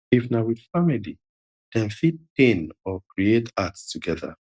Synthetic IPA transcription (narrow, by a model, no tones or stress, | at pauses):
ifnawiðfamili | d̥ɛ̃nfit̚pẽnɔkɹietatstuɡɛða̰